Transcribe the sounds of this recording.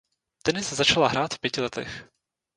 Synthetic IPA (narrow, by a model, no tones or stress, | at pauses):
t̪ɛnɪszat͡ʃalaɦɾaːt̪fpjɛcɪlɛt̪ɛ̰x